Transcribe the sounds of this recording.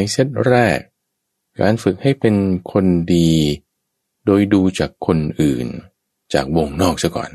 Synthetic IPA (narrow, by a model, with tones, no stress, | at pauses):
a˧jse˦˥˩t̪̚ɾɛː˥˩k̚ː | a̰ː˧nfɯ˨˩k̚ha˥˩jpe˧nkʰo˧ndiː˧ | doː˧jduː˧t͡ɕaː˨˩kʰːo˧nʔɯː˨˩n | t͡ɕaː˨˩k̚wo˧ŋnɔː˥˩k̚sa˧˥˩kɔ̰ː˨˩n